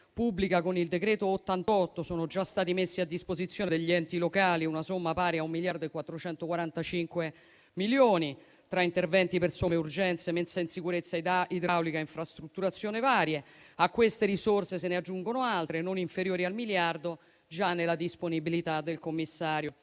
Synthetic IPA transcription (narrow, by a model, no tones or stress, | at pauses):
pubːlikakonild̪ekɾɛːt̪oːt̪ːant̪ɔt̪ːosoːnod͡ʒast̪aːt̪imesːiad̪ːispozit̪sːjoːned̪eʎːiɛnt̪ilokaːliunasomːapaːɾjaumːiljard̪oekwat̪ːɾot͡ʃɛnt̪okwaɾant̪at͡ʃiŋkwe | miljoːni | t̪ɾaint̪ervɛnt̪ipersomeurd͡ʒɛnt̪semensainsikuɾet̪sːaid̪ɾawlikaiɱfɾast̪ɾut̪ːuɾat̪sjoːnevaːɾjeakːwest̪eɾisorsesenead͡ʒːuŋɡonoalt̪ɾenoniɱfeɾjoːɾialmiljard̪o | d͡ʒanːelad̪isponibilit̪ad̪elkomːisːaːɾjo